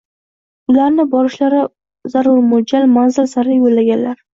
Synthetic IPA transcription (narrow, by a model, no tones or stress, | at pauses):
ʊlaɾnɪbɒɾɪʃlaɾɪ | zaɾʊɾmʊd͡ʒalmanzɪlsaɾɪjolːaɡʲanlaɾ